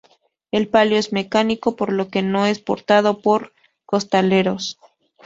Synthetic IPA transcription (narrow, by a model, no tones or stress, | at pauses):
e̞lpaljoe̞zme̞kaniko̞po̞ɾlo̞ke̞no̞e̞spo̞ɾt̪að̞o̞po̞ɾ | ko̞st̪ale̞ɾo̞s